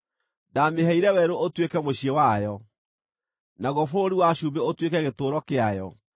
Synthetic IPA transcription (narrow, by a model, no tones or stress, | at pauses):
dameɦɛiɾɛwɛɾoʔotwekɛmoɕiewajɔ | naɣɔfoɾiwaɕumbeotwekɛɣetoːɾɔkeajɔ